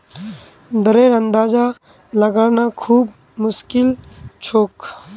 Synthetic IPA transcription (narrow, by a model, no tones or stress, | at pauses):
d̪əɾeːɾɐ̃nd̪aːd͡ʒa | lɐɡaːnakʰuːb | mʊskɪlt͡ʃʰoːk